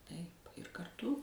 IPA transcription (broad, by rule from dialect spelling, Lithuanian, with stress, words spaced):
tɐɪp ɪr kɐrˈtʊ